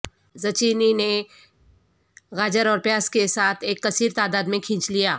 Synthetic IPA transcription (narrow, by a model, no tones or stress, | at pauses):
zɐt͡ʃiːnine | ɣaːd͡ʒəɾɔːɾpjaːskesaːt̪ʰeːkːɐsiːɾt̪aːd̪aːd̪mẽkʰĩːt͡ʃlijaː